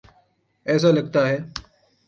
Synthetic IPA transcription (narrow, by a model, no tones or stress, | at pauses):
ɛːs̬aːləɡ̚t̪aːɦeː